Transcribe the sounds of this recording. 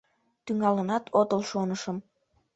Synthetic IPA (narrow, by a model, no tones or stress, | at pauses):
t̪yŋɑlənɑt̪ʰot̪əlʃonəʃəm